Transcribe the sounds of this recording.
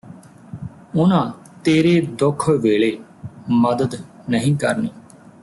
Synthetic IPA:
ʊnãː | t̪eːɾeːd̪ʊkʰːʋeːɭeːməd̪əd̪ | nəɦĩːkəɾneː

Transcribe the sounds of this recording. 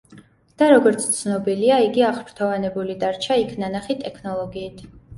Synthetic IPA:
d̪̥aɾɔɡɔɾt̪sʰt̪sʰnɔbiliaiɡiaχpʰɾt̪ʰɔvanɛbulid̪aɾt͡ʃʰaikʰnanaχit̪ʼɛkʰnɔlˠɔɡiːt̪ʰ

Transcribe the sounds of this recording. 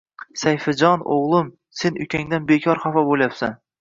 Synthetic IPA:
sajfɪd͡ʒɒno̰ʁlˠɪm | senʊkʲaŋd̪anbekʲʰɒɾχafɒbolˠjapsa̰n

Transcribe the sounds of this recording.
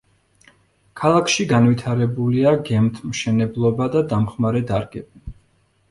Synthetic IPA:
kʰalˠakʰʃiɡanvit̪ʰaɾɛbuliaɡɛmt̪ʰmʃɛnɛblˠɔbad̪ad̪amχmaɾɛd̪aɾɡɛbi

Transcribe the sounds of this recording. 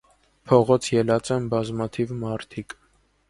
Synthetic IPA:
pʰɔʁɔt͡sʰjɛlɑt͡sɛmbɑzmɑt̪ʰivmɑɾt̪ʰik

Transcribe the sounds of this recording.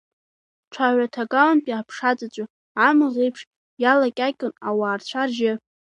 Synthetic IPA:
ʈ͡ʂʷʰaʕʷatʰaɡalanpʼiapʰʂat͡sʼat͡ɕʷʼa | ʕamɨʁejpʰʂ | jalakʲʼakʲʼɪnawaːrt͡ɕʷʰarʒɪ

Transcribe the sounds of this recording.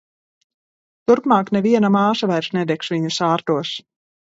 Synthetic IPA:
t̪uɾpmaːknɛviɛnamaːʃavajɾʃnɛd̪ɛkʃviɲusaːɾt̪uɔs

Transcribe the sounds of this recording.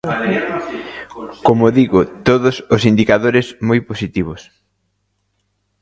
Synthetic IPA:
komoðiɣʊt̪oðʊsʊsind̪ikaðoɾɪsmojposit̪iβʊs

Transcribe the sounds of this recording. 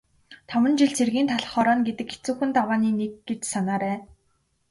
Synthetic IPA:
t̪ʰɔmə̆nt͡ɕiɮt͡sʰerɣiːnt̪ʰaɮ̆χɔːɾɔːnɡet̪ɘ̆kːe̥t͡suːxɘ̆nt̪awaːniːnek̚ɡet͡ɕsanaːɾæː

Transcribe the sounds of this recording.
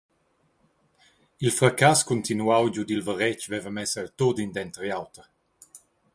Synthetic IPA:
ilfɾakaskunt̪inuawd͡ʒud̪ilvəɾɛt͡ʃvɛvəmɛsərt̪odind̪ɛnt̪ɾjawt̪əɾ

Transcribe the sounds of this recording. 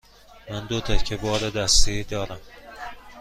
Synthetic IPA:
mænd̪ot̪ʰæcʰebɒːɾed̪æst̪id̪ɒːɾæm

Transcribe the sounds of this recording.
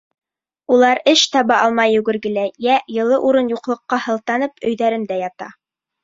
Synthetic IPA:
ulˠɑɾɘʃt̪ɑβɑʔɑlˠmɑjɵ̆ɡɘ̆ɾɡɘ̆læjæjɤ̆lˠɤʔuɾɤnjuqlˠɤ̆qːɑhɤ̆lˠt̪ɑnɤpɵ̆jðæɾɘnd̪æjɑt̪ɑ̰

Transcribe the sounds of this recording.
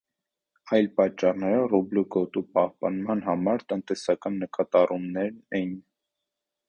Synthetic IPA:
ɑjlpɑt͡ʃːɑrnɛɾərublukɔt̪upɑhpɑnmɑnɦɑmɑɾt̪ənt̪ɛsɑkɑnːəkɑt̪ɑrʔumnɛɾɛjin

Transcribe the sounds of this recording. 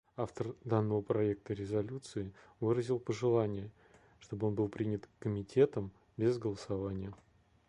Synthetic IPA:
aft̪ərd̪anːəvəpɾɐek̚t̪əɾʲɪzɐlʲut̪sɨɪ | vɨɾəzʲɪlˠpəʐɨlˠanʲɪjə | ʂt̪o̞bɨo̞nbɨlˠpɾʲinʲɪt̪kəmʲɪtʲʰe̞t̪əm | bʲɪzɡəlˠəsavanʲɪjə

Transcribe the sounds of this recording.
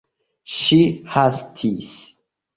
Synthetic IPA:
ʃihastʰis

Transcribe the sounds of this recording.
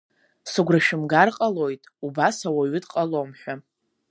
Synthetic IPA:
sɨɡʷraʃɪmɡarqʼalo̞jtʼubasawaɥʏdqʼalomħʷᶣa

